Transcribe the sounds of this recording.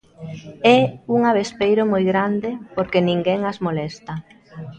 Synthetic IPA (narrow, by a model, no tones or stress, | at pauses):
ɛuŋaβespejɾomojɣɾand̪epoɾkenĩŋɡɛŋazmolɛst̪ɐ